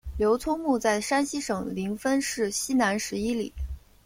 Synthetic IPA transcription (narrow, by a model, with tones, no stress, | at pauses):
ljo˧˥ʊt͡sʰʊ˥ŋmu˥˧t͡sa˥˩ɪʂa˥nɕi˥ʂɤ˨˩ŋli˧˥ŋfə˥nʂɻ̩˥˩ɕi˥na˧˥nʂɻ̩˧˥i˥lḭ˨˩˦